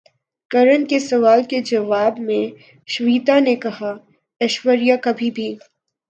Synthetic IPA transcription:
kɐɾənkesɐʋaːlked͡ʒɐʋaːbmẽ | ʃʋiːt̪anekɐɦa | ɐʃwəɾjakɐbʱibʱiː

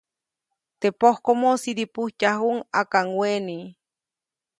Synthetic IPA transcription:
t̪epohkomosiɾipuht͡ʃaɦuŋakaŋweni

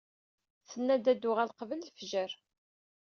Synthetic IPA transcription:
θənːæd̪æd̪ʊʁælqəvəllfʒəɾ

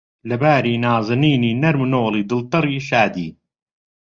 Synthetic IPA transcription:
lɐbaːɾiːnaːzˤɨniːniːnɐɾmɨnoːliːd̪ɨlt̪ɨɾiːʃaːd̪iː

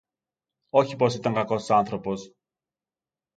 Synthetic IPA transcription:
o̞çipo̞sit̪ɐŋkɐko̞sɐnθɾo̞po̞s

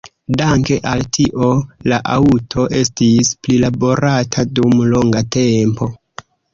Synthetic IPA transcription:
daŋke̞ʔaltʰiʔo̞laʔautʰo̞ʔe̞s̬tisplilabo̞ɾatʰadumlo̞ŋɡate̞mpo̞

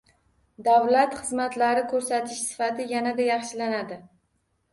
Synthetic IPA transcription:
d̪avlat̪χɨzmat̪laɾɪkʰɵɾsat̪ʰɪʃsɪ̥fat̪ʰɪjanad̪ajɑχʃɪlanad̪ɪ

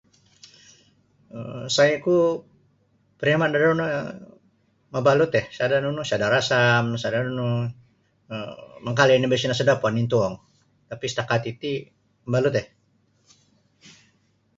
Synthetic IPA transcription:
ə̰msajaku | pəɾamandadaunu | mabalut̪ɛhsadanunusadaɾasamsadanunu | əməŋkalinibɛsinasadapɔnint̪uɔŋ | t̪apist̪akat̪it̪i | mabalut̪ɛh

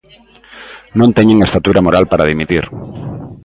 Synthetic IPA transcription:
nõnt̪eɲẽŋest̪at̪uɾamoɾalpaɾaðimit̪iɾ

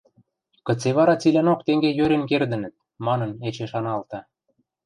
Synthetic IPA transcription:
kə̆t͡seβɑɾɑt͡silʲænokt̪eŋɡejøɾĕnkerd̪ə̆nə̆t̪̚ | mɑnɤ̆net͡ɕeʃɑnɑlt̪ɑ

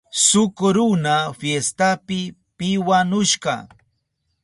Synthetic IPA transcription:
sʊkʊɾʊnafjest̪apɪpɪwanʊʃɢɑ̰

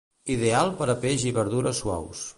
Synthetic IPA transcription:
iðealˠpəɾəpeʒiβəɾðuɾəswa̰ws

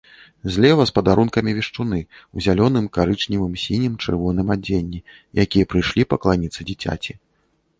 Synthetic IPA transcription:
zʲlʲɛvɐspɐd̪aɾunkɐmʲivʲiʂt͡ʂunɨuzʲalʲɔnɨmkaɾɨt͡ʂnʲivɨmsʲinʲimt͡ʂɨ̰rvɔnɨmad͡zʲenʲːi | jakʲijɐpɾɨjʂlʲipɐklˠanʲit̪sɨd͡zʲit͡sʲa̰t͡sʲi

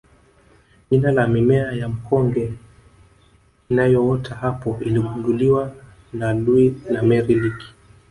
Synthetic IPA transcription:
ʄinalaminɛajam̩kʰɔŋɡɛ | inajɔɔtʰahapɔiliɓunduliwa | naluinamɛɾiliki̥

